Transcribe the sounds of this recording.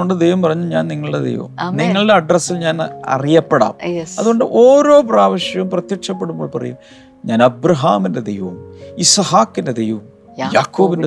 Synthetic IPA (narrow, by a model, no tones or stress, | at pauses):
oɳɖɨd̪ejʋɐmpɐrɐɲːuɲaːnniŋːɐɭɨɽed̪ejʋɐʋ̰ɐ̰mniŋːɐɭɨɽeɐɖrɐsːilɲaːnɐ̰rijɐpːeɽa̰ːmɐðuɣo̞ɳɖɨʔoːɾo̞ːpraːʋɐɕjɐʋumprɐt̪jɐkʂɐp̬ːe̞ɽumbo̞ːɭpɐrɐ̰jum | ɲaːnɐbɾɐɦaːminded̪ejʋɐʋɐmisɐhaːkːinded̪ejʋɐʋɐm | jaːkːoːbinde